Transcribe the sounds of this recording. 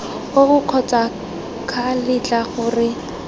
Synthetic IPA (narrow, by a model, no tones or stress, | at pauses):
oɣʊq͡χʰɔt͡sʼa | kʰalɪt͡ɬʼaɣʊːrɪ